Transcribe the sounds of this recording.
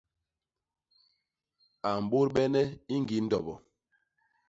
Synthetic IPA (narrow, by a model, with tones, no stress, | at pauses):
a˨m̩˨ɓo˦ɾɓɛ˦nɛ˦i˦ŋɡi˨˦n̩˦dɔ˨bɔ˨